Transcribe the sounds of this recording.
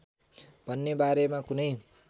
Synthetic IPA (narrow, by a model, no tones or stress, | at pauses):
b̥ʱʌnːebaɾemakunʌj